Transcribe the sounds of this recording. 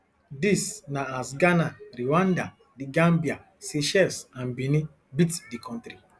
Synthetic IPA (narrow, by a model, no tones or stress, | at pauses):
disnaːsɡanaɾiwãnda | diɡãmbia | seʃɛsãnbini | bitdikʰɔ̃ntɾi